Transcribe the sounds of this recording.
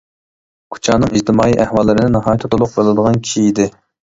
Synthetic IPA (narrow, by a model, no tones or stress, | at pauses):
kʰu̥t͡ʃʰɑːnɨŋid͡ʒt̪ʰɨmɑːiʔæhwɑlˠːɨɾɪnɪnɑɦɑːjt̪ʰɨt̪ulˠʊq̚belˠɨd̪əʁɑnkʲʰiʃiid̪ɪ